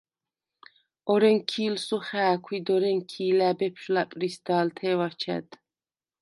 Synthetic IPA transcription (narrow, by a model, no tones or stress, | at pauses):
ɔɾɛŋkʰiːlsuχæːkʷʰwid̪ɔɾɛŋkʰiːlæːbɛpʰʃlapʼɾisd̪aːlt̪ʰɛːwat͡ʃʰɛ̰d̪